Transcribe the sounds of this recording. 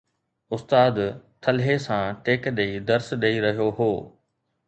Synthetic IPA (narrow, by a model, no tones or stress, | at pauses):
ʊst̪aːd̪t̪ʰɐlɦesãʈeːkɗeid̪ɐɾsɗeiɾɐɦijoɦoː